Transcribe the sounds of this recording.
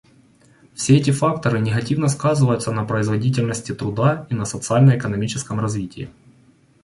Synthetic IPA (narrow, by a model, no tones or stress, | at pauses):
fsʲeɛtʲɪfak̚t̪əɾɨnʲɪɣɐtʲivnəskazɨvəjʊt̪sənɐpɾəɪzvɐdʲit̬ʲɪlʲnəsʲtʲɪt̪ɾʊd̪ainɐsət̪sɨalʲnəjɪkənɐmʲit͡ɕɪskəmrɐzvʲitʲɪː